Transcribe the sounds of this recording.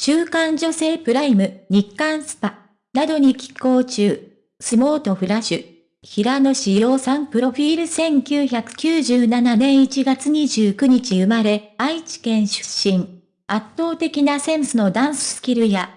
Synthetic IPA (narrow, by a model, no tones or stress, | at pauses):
ɕɨːkãɲ̟d͡ʑo̞se̞ːpɯ̟ɾaimɯ̟ɲ̟ikːãɰ̃sɨ̥pa | nad̪o̞ɲ̟ikʲi̥ko̞ːt͡ɕɨː | sɨmo̞ːt̪o̞ɸɯ̟ɾaɕɨ | çiɾano̞ɕijo̞ːsãmpɯ̟ɾo̞ɸʲiːɾɯ̟sẽ̞ŋkʲɨːçakɯ̟̥kʲɨːʑɨːnananẽ̞ɰ̃it͡ɕiɡat͡sɨɲ̟iʑɨːkɯ̟ɲ̟it͡ɕiɯ̟maɾe̞ait͡ɕi̥kẽ̞ɰ̃ɕɨ̥ɕːĩŋ | at̪ːo̞ːt̪e̞kʲinasẽ̞ɰ̃sɨno̞d̪ãɰ̃sɨ̥sɨ̥kʲiɾɯ̟ja